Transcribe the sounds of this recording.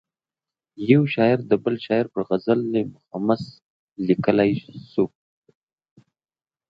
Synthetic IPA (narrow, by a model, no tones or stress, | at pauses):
jewʃɑɪɾd̪əbəlʃɑɪɾpəɾɣazəlːemʊxamas | likəlajsu